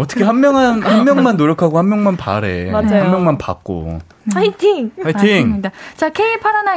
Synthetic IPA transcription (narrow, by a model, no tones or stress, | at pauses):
ʌt͈ʌkʰe̞ɦanmjʌŋanhanmjʌŋmanːoɾjʌkʰaɡohanmjʌŋmanpa̰ɾḛad͡ʑaammjʌŋmanpa̰k̚k͈o̰ | aitʰiŋʰaitʰiŋdat͡ɕakʰeipʰaɾana